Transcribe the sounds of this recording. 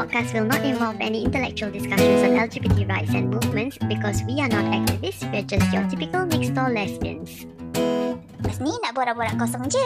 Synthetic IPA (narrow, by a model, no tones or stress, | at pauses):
pɔd̚kastwilˠnɔtĩɱvɔlˠvɛ̰niĩntəlɛ̰k̚t͡ʃuəlˠdiskaʃə̃nsɔ̃nɛld͡ʒibitiɹaɪtsɛ̰̃nmuvmə̃ntsbikʰɔswianɔtɛ̰k̚tivɪstwɛəd͡ʒastjɔtipikəlmɪkstɔlɛstə̰̃ns | bɛsmilaʔ̚bɔɾabɔɾakɔsɔ̃md͡ʒi